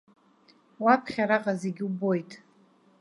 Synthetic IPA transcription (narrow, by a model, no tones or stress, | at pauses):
wapʰχʲaɾaqʼaze̞ɡʲubo̞jtʼ